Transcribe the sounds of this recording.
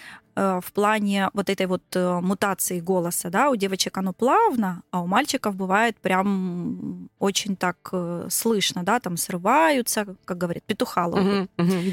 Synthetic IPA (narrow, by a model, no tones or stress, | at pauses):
əfplˠanʲɪvo̞t̪ɛt̪əjvo̞t̪mʊt̪at̪sɨɪɡo̞lˠəsəd̪aʊdʲe̞vət͡ɕɪkɐno̞plˠavnəːʊmalʲt͡ɕɪkəfbɨvajɪt̪̚pɾʲam | ot͡ɕɪnʲt̪akslˠɨʂnəd̪at̪amsrɨvajʊt̪səkak̚ɡəɐvɐɾʲit̪pʲɪt̪ʊxalˠə̰